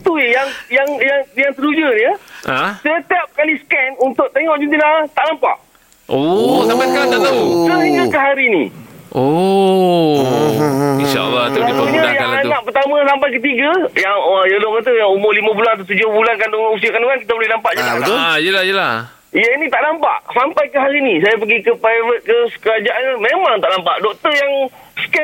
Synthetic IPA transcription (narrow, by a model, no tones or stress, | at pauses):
t̪ujaŋjaŋjaŋjaŋsəlud͡ʒənəasət̪iap̚kaliskɛnunt̪ʊʔ̚t̪eŋɔʔd͡ʒint̪inat̪aʔnampa̰ʔ | ot̪apaskaat̪aatəɲakəɦaɾinḭ̃ʔo | inʃa̰ʔa̰lːat̪ut̪uɲajaŋanaʔpərt̪amãsampajk̬ət̪̬iɡəjaŋəjaloʔkat̪̬əjaŋumʊlimãbulant̪at̪ud͡ʒohbulankanus̬iakanuŋanki̥t̪əbolɛhnampaʔd͡ʒaaaoajəlajəlah | jainĩt̪aʔdampa̰ʔsampajkəɦaɾinĩs̬ajap̬əɡikəpɾajvət̪̚kəskəad͡ʒaʔanlmemãŋt̪aʔnampaʔdɔk̚t̪ərjaŋ | skɛ